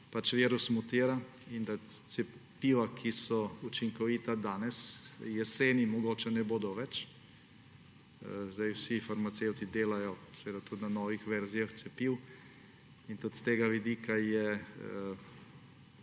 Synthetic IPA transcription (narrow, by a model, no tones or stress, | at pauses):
pat͡ʃʋiːɾusmut̪iːɾa | ind̪at̪sɛpiːʋakʰisɔut͡ʃiŋkɔʋiːt̪ad̪aːnɛsjɛseːnimɔɡoːt͡ʃɛnɛboːd̪ɔʋɛt͡ʃ | zd̪ajwsifaɾmat̪sewt̪id̪eːlajɔzʋeːd̪at̪ut̪nanɔːʋixʋɛɾzijaxt̪sɛpiːw | int̪ut̪st̪eːɡaʋid̪iːkʰajɛə